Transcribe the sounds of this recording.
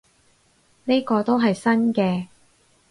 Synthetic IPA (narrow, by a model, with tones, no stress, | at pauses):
ne˥kɔː˧t̪o˥wɦɐ˨jsɐ˥nkɛː˧